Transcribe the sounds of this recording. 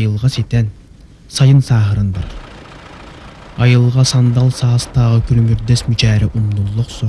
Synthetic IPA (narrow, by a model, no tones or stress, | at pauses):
jɨlˠʁɑset̪ɛn | sɑjɨnsɑːɦəɾɨnb̪ɑɾ | ɑjɯlˠʁɑsɑnd̪ɑlˠsɑːst̪ʰɑʁɑkʲʰyɾmyɾd̪ɛsmyt͡ʃʰɛːɾɛʔumlˠulˠːʊqsu